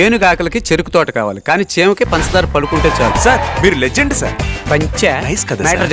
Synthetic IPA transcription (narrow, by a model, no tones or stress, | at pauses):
eːnuɡaːkɐlɐkit͡ʃeɾukut̪ɔːʈɐ̥kaːʋaːlikaːniːt͡ʃeːmɐkepɐnsɐd̪aːɾpɐlukuɳʈeːt͡ʃaːlsaɾmiːɾuled͡ʒeɳɖsa̰ɾpɐɲt͡ʃenɐjskɐd̪amɛːʈɐɾ